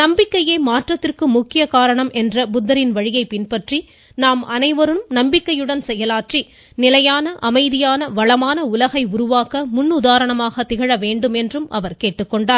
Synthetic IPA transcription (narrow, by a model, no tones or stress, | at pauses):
nɐmbɪkːɐjeːmaːʈrɐt̪ːɪrkɯmʊkːɪjɐkaːɾɐɳɐmʔɛndrɐbʊd̪ːɐɾɪnʋɐɻɪjɐɪpɪnpɐʈri | naːmɐnɐɪʋɐɾɯmnɐmbɪkːɐjɯɽɐnsɛjːɐlaːʈri | nɪlɐjaːnɐʔɐmɐɪðɪjaːnɐʋɐɭɐmaːnɐʊlɐɣɐɪʊɾʊʋaːkɐmʊnːʊðaːɾɐɳɐmaːɣɐt̪ɪɣɐɻɐʋeːɳɖɯmɛndrɯmʔɐ̰ʋɐɾkeːʈːɯkːɔɳɖaːɾ